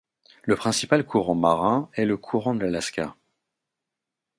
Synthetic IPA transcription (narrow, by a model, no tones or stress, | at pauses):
ləpχɛ̃sipalkʰuʁɑ̃maʁɛ̃ɛləkʰuʁɑ̃d̪əlalaskʲa̰